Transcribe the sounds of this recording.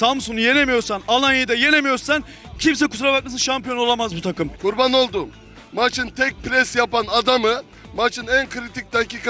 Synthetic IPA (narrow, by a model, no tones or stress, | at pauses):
samsunje̞lʲemijo̞ɾsanalˠanjejd̪aje̞lʲemijo̞ɾsan | cʰims̬ɛkʰu̥t̪ʰɾabak̚masɯnʃampijono̞lˠamazbut̪ʰakɯmkʰuɾbano̞lˠd̪u | mat͡ʃʰɯnt̪ʰɛc̚ʲpɾɛsjapanad̪amɯ | mat͡ʃʰɯnænkʰɾit̪ʰic̚d̪aciːka